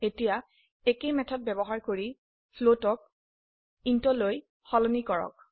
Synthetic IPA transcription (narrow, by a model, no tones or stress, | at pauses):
etija | ekejmɛtʰɔt̚bɛbɔɦaɹkoɹi | pʰlotɔk̚ | intɔloj | xɔlɔnikɔɹɔ̰k̚